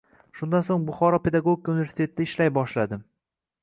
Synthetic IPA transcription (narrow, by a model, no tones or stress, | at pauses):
ʃʊnd̪ansoŋbʊχɒɾɒpʰe̞d̪aɡoɡʲikʰunɪvʲe̞ɾst̪ʰe̞t̪ʰɪd̪aɪʃlajbɒʃlad̪ɪm